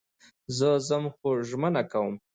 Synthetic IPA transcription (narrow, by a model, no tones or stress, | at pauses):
zəzəmxoʒmənakawəm